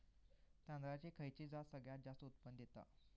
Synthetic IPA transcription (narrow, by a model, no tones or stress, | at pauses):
t̪ãnd̪ɾat͡ɕekʰəjt͡ɕid͡zasəɡɭjat̪̚d͡zast̪əut̪̚pənd̪et̪a̰